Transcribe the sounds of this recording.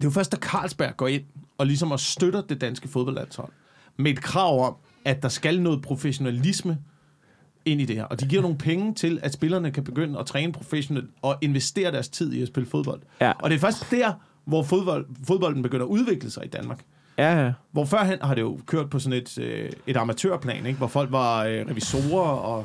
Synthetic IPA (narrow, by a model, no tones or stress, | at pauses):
d̥e̝jofɶɐsd̥ækʰɑ̰̈ːlsb̥æɐ̰ɡ̥ɒ̰e̝n̰ɒ̽lisɒ̽mɒ̽sd̥øɾɐd̥e̝d̥ænsɡ̥əfo̝ðˠbɒ̽l̰d̥ænshɒ̽l̰ | mee̝d̥kʰʁɑ̈ʊ̰ɒ̽m̰ | æd̥ɑ̈sɡ̥ælnɔ̽ːð̩ˠpʰʁo̝feɕo̝nælismə | e̝n̰id̥e̝hæ̰ɐʔɒ̽d̥iɡ̥iɐ̰no̝ːŋ̩pʰeŋət͡sʰe̝læd̥sb̥e̝lɐnəkʰæb̥e̝ɡ̥øn̰əɒt͡sʰʁɛːnəpʰʁo̝feɕo̝nelɒ̽ʔe̝nʋesd̥e̝̰ːɐdɾæɐst͡sʰið̞̰ˠiɒsb̥e̝ləfo̝ð̞ˠb̥ɒ̽l̰d̥ʔɒ̽dɾ̥e̝fɶɐsd̥d̥æɐ̰ | ʋɒfoðˠbɒl̰foð̞ˠb̥ɒ̽ld̥n̩b̥eɡ̥øn̰ɐːuð̞ˠʋe̝ɡ̥ləsɑ̈ɪid̥ænmɑ̈ːɡ̥ | ʋɒfɶɐ̰ɦenhɑ̈ɾe̝jo̝kʰøɐ̰d̥̚pʰɒ̽sɔ̽ne̝d̥øe̝ɾ̥ɑ̈mæt͡sʰø̰ɐpʰlɛ̰ːneɡ̥ʋɒfɒ̽l̰ɡ̥ʋɑ̈øʁɛʋiso̝̰ːɐɒ̽